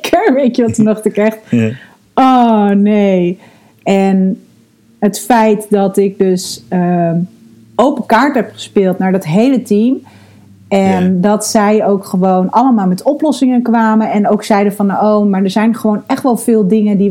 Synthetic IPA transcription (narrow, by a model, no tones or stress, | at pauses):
kʰəɹʋejtəʋɑtənɔχtɪkɛχt | ɔːnej | ɛn | ɦətfɛjtdɑtɪk̚døsə | owpəkaːɹtɦɛpχə̥spɪːlˠtnaːɹdɑtɦejlətim | ɛndɑtsɛjowkχəʋownɑləmaːlˠmɛtɔplɔsɪŋənkʋaːmənɛnowksɛjdəfɑnowmaːɹdəɹzɛjnχəʋownɛχtʋɛlˠvɪːlˠdɪŋəndi